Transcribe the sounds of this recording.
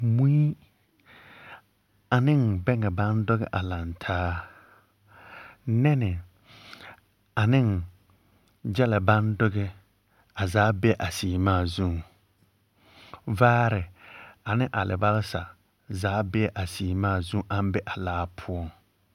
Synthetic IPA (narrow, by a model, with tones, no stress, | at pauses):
mu˦i˦ | a˨nɪ˦˨ŋbɛ˦ŋɛ˨ba˦ndʊ˦ɣɛ˨ʔa˨la˨ntʰaː˦ | nɛ˦nɪ˨ | a˨nɪ˦n | d͡ʒɛ˦la˨ba˦ndʊ˦ɡɛ˦ | a˨zaː˨˦bɛ˦ɛ˦ʔa˨siː˨maː˦˨zũ˦˨ŋ | vaː˦ɾɪ˨a˨nɪ˦ʔa˨lʔɪ̰˨ba˦lɪ˦sa˨ | zaː˨˦bɛ˦ɛ˦ʔa˨siː˨maː˦˨zu˦ŋʔa˦m˦bɛ˦ʔa˨laː˦pʰʊ˦ɔ˦˨ŋ